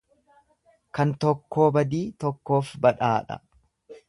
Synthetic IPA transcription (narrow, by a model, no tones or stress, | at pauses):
kɐnt̪ɔkːo̞ːbɐd̪iːt̪ɔkːo̞ːfbɐᶑaːᶑɐ̰